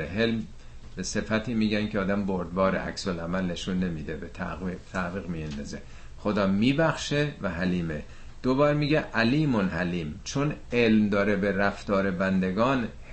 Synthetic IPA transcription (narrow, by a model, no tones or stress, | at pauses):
eɦelm | bese̞fæt̪ʰiːmiːɟænkʰʲeɒːd̪æmboɾd̪bɒːɾḛʔæ̰ksolæmælne̞ʃunːe̞miːd̪ebet̪ʰæ̰t̪ʰæviːɣmijend̪ɒːze | xod̪ɒːmiːbæxʃevæɦæliːme | d̪̥obɒːɾmiːɡeʔæliːmonhæliːmt͡ʃʰonelmd̪ɒːɾebeɾæft̪ɒːɾebænd̪eɡɒːnh